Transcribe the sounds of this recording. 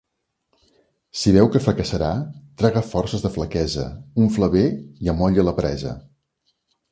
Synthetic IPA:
siβɛwkəfɾəkəsəɾat̪ɾɛɣəfɔrsəzðəfləkɛzə̰uɱfləβeiəmɔʎələpɾɛzə̰

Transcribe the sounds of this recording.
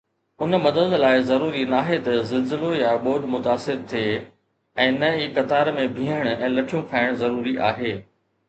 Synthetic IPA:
ʊnmɐd̪əd̪laːɪzɐɾuːɾinaːɦet̪ɐzɐlzɪlojaɓoːɗmʊt̪aːsɪɾt̪ʰieː | ɛ̃ːnɐiːkɐt̪aːɾmẽbʱĩːəɽ̃ʊɛ̃ːlɐʈʰijũkʰaːɪɽ̃zɐɾuːɾiʔa̰ːɦeː

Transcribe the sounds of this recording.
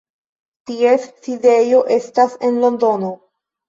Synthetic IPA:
tie̞sːide̞jo̞ʔe̞stase̞nlo̞ndo̞no̞

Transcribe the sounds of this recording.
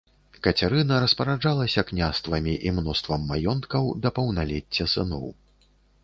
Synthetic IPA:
kɐt͡sʲaɾɨnɐɾɐspɐɾad͡ʐalˠɐsʲɐknʲast̪vɐmʲiʔimnɔst̪vɐmːajɔnt̪kɐwd̪ɐpɐwnalʲɛt͡sʲːɐsɨnɔ̰w

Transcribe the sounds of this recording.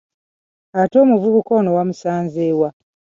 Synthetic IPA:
ato̞ːmuvuβukoːnowamusaːnzeːwa

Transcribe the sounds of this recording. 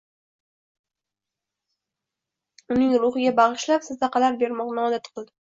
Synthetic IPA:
ʊnɪŋɾʊχɪɡʲabɑʁɨʃlapsazd̪ɑqʰɑlaɾbe̞ɾmɒqnɪɒd̪at̪qʰɨlˠd̪ɪ

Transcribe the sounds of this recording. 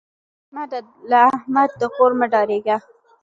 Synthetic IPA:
mad̪a | laːhmad̪̚ːəqoɾmaɖɑɾeɡa

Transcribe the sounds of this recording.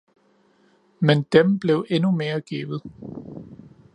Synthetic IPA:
mend̥emb̥le̝ʊʔe̝nume̝ːɐɡ̥ḭːʋð̩ˠ

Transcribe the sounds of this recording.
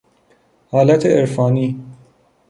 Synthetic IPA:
hɒːlæt̪ʰeʔeɾfɒːniː

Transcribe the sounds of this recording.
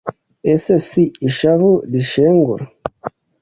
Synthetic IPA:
esesiiʃavud̪iʃeŋɡṵɾ

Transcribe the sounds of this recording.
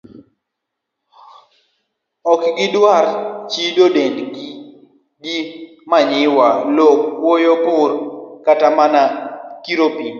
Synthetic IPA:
ɔkɡɪdwaɾt͡ʃidodenɡi | ɡi | maɲɪwalokːwojopʊrkatamanakiɾopin

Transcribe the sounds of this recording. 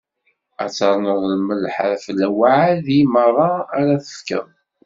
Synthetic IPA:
æt͡sːɑɾˤnəðˤləməlħə̰ɾfəlːæwaʕaðjimərˤɑːɾæθə̥fkə̰m

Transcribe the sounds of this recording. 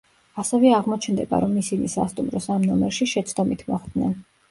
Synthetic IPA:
asɛvɛaʁmɔt͡ʃʰnd̪ɛba̰ɾɔmisinisa̰st̪ʼumɾɔsamnɔmɛɾʃiʃɛt̪sʰd̪ɔmit̪ʰmɔχd̪nɛn

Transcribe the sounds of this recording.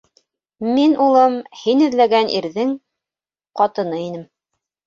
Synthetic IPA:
minʔulˠɤmhinɵ̆ðlæɡænʔiɾðɘŋ | qɑt̪ɤ̆nɤinɘm

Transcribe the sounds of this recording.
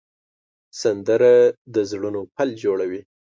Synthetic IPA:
sand̪əɾad̪əzɽunopald͡ʒoɽawi

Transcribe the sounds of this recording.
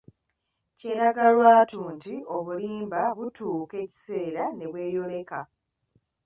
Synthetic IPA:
ce̞ːɾaɡalwaːtuːntio̞βuliːmbaβutuːke̞ci̥se̞ːɾane̞βwe̞ːjo̞le̞ka

